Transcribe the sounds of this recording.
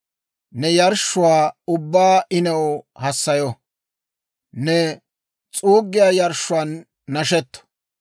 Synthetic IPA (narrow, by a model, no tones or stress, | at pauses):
nɛjɐɾʃːʊwaːʊbːaːʔɪnɐwhɐsːɐjɔ | nɛ | t͡sʼuːɡːɪjaːjɐɾʃʊaːnː | ɐʃɛt̪ːɔ̥